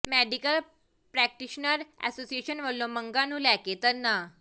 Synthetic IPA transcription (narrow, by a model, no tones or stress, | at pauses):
mæɖikəl | pɾæk̚ʈiɕnəɾæ̰sosieɕənʋəɽlõməŋɡanũːlɛket̪əɾna